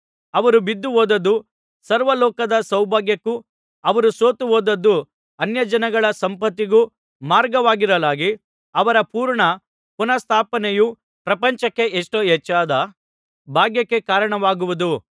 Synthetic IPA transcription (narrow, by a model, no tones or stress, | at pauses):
ɐʋɐɾubid̪ːuɦoːd̪ɐd̪ːu | sɐɾʋɐlɔːkɐd̪ɐsɐwbʱaːɡjɐkːu | ɐʋɐɾusoːt̪uɦoːd̪ɐd̪ːu | ɐnjɐd͡ʒɐnɐɡɐɭɐsɐmpɐt̪ːiɡu | maːɾɡɐʋaːɡiɾɐlaːɡi | ɐʋɐɾɐpuːɾɳɐ | punɐst̪ʰaːpɐneju | pɾɐpɐɲt͡ʃɐkːe̞ʔeʂʈoɛt͡ʃːaːd̪ɐ | bʱaːɡjɐkːe̞kaːɾɐɳɐʋaːɡuʋud̪u